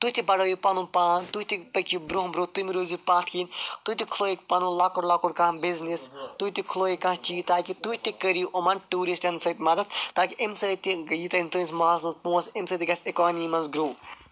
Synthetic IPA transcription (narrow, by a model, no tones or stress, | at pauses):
t̪uɦʲt̪ibɐɽɐːjipɐnũpaːnt̪uit̪ipɐkibɾoɦbɾoːt̪umiɾuːzipaːt̪ʰkint̪ut̪ikʰloːek̚pɐnulaːkoɽlaːkoɽkãbiznist̪uit̪ikʰloːikãːɦt͡ʃiːt̪aːkit̪uit̪ikəɾiʔomɐnʈuːɾisʈɐnsɐt̪mɐd̪ɐt̪ʰt̪aːkiʔemsəːt̪iɡɐjit̪ɐnʲt̪ɐnismaːsɐnzpõːsemsəːt̪iɡɐsekaːniːmɐnzɡɾoː